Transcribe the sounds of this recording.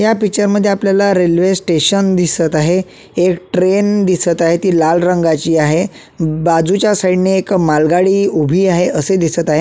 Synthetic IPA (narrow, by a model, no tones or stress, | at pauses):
japik̚t͡ɕəɾməd̪ʱːjeapljalaɾelʋesʈeɕənd̪isət̪aɦeː | kʈɾend̪isət̪aɦet̪iːlalɾəŋɡat͡ɕiːaɦe | bad͡zut͡ɕjasaiɖneːkmalɡaɽiːubʱiːaɦeʔəsed̪isət̪aɦe